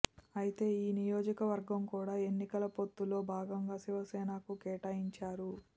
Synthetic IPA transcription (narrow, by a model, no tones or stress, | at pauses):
ɐjit̪e̞ːiːnijoːd͡ʒɐkɐʋɐɾɡɐmkuːɽaːe̞nːikɐlɐpo̞t̪ːulo̞ːbʱaːɡɐŋɡaːsiʋɐsɛːnakukɛːʈaːjiɲt͡ʃaːɾu